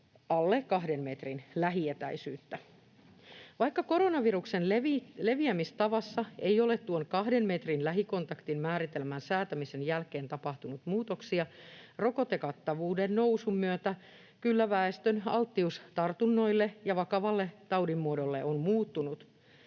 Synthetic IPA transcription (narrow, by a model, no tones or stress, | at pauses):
ɑlːekkɑɦde̞mmet̪rinlæɦiet̪æisyːt̪ːæ | ʋɑikːɑko̞ɾo̞nɑʋiruksenleile̞ʋiæmist̪ɑʋɑsːɑejo̞le̞t̪t̪uonkɑhdenme̞t̪rinlæɦiko̞nt̪ɑkt̪immæːɾit̪elmænsæːt̪æmisenjælke̞ːnt̪ɑpɑht̪unut̪muːt̪oksiɑro̞ko̞t̪ekɑt̪ːɑʋuːdennowsumyøt̪æ | kylːæʋæest̪ønɑlt̪ːiust̪ɑrt̪unːo̞ilːejɑʋɑkɑʋɑlːet̪ɑwdimːuodolːeʔonmuːt̪ːunut̪